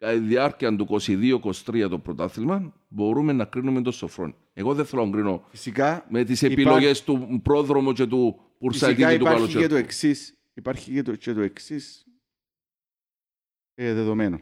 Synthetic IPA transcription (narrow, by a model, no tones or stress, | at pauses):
ɐiðiɐɾciɐnd̪ukosiðiokost̪ɾiɐt̪opɾot̪ɐaθilmɐn | bo̞ɾumenːɐkɾinument̪osofɾo̰n | eɣoðeθeloŋɡɾinofisikamet̪isepiloʝest̪upɾoðɾomut͡ʃet̪u | puɾsajit̪iait̪ukɐlot͡ʃeet̪ueksis | ipaɾçicet̪ut͡ʃet̪ueksis | eðeðomeno